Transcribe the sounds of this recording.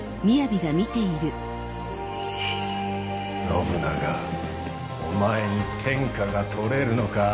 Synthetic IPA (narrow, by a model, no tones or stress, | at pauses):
mʲijabʲiɡamʲit̪e̞iɾɯ̟ | nomɯ̟naɡa | omae̞ɲ̟it̪ʰẽ̞ŋkaɡat̪ʰo̞ɾe̞ɾɯ̟no̞ka